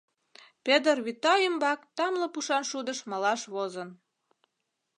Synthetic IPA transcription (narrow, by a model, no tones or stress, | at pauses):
ped̪ərβit̪ɑjəmbɑkt̪ɑmlɤ̆puʃɑnʃud̪əʃmɑlɑʃβozən